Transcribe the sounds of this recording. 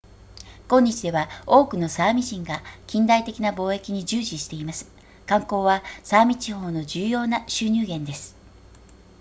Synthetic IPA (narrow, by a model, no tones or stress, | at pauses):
kõ̞ɲ̟ːit͡ɕid̪e̞βao̞ːkɯ̟no̞saːmʲiʑĩŋɡakʲĩnd̪ait̪e̞kʲinabo̞ːe̞kʲiɲ̟id͡ʑɨːɕiɕi̥t̪e̞imasɨ̥ | kãŋko̞ːβasaːmʲit͡ɕiho̞ːno̞d͡ʑɨːjo̞ːnaɕɨːɲ̟ɨːɡẽ̞nd̪e̞sɨ̥